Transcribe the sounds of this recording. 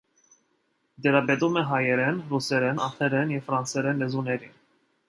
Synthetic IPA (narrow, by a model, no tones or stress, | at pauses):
d̪ɛɾɑbɛt̪umɛɦɑjɛɾɛnrusɛɾɛnɑχɛɾɛnjɛvfɾɑnsɛɾɛnlɛzunɛɾin